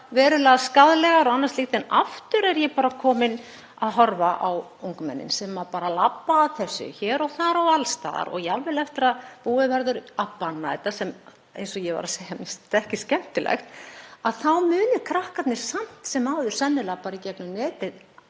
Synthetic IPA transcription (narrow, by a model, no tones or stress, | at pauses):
vɛːɾʏlaðskaðlɛɣaɾɔɣanːast̪lixt̪ɛnaft̪ʏɾɛɾjɛpaːɾakʰɔːmɪn | aðɦɔɾvaʔawuwŋkʏmɛ̰nːɪ̰nsɛmːaɾpaːɾalapːaːðθɛsːʏ̰çɛːɾɔɣθaɾawalst̪a̰ːða̰ɾɔ̰ɣjɛalvɛlɛft̪ɪɾaðpuːɪvɛɾðʏɾapːanːaɛt̪asɛm | ḛjnsɔjɛva̰ɾasejamɪst̪ɛhcɪscɛm̥t̪ɪlɛ̰xt̪aðθawmʏːnʏkʰɾahkat̪nɪɾ̥sam̥t̪sɛmaːwðʏɾ̥sɛnːɪlapaɾicɛknʏnɛːt̪ɪð